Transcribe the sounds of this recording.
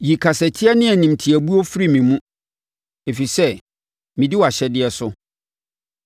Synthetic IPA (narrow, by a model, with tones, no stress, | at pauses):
ji˨kʰa˨sɛ˨tʰɪ˦ɛ˦nɪ̃˦æ˨nĩ˨mtʰi˨æ˨bu˦o˦fɾi˦˨mĩ˨mũ˦ | e˨fi˨sɛ˦ | mɪ̃˨dɪ˦wa˨ɕɛ˦dɪ˦ɛ˨sʊ˦